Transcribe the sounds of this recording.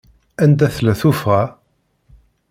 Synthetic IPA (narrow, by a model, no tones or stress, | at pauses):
ænd̪æθlæθufʁæ